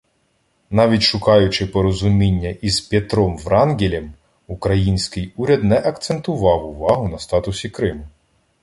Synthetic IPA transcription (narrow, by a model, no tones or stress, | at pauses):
nɑʋʲitʲʃʊkɑjʊt͡ʃɪpɔɾɔzʊmʲinʲːɐʔizpʲet̪ɾɔmʋɾɑnɡʲilʲɛm | ukɾɐjinʲsʲkɪjuɾʲɐd̪nɛʔɐkt̪sent̪ʊʋɑwʊʋɑɦʊnɐst̪ɑt̪ʊsʲikɾɪmʊ